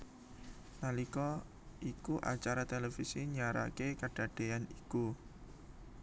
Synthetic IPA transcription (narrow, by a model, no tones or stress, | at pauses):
nalikɔ | ʔikuʔa̰t͡ʃaɾat̪elefisiɲaɾa̰kekaɖ̥a̤ɖ̥e̤aniku